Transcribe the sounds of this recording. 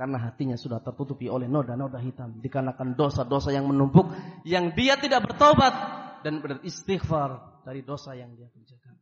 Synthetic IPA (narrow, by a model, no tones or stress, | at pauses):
karnaɦat̪iɲasudaht̪ərt̪ut̪upiolɛhnodanodaɦit̪amdikəənakandosadosajaŋmənumpʊk̚jaŋdiat̪idaʔ̚bərt̪obat̪̚danbərist̪ixfard̥aɾidosajaŋdiakuɲd͡ʒakan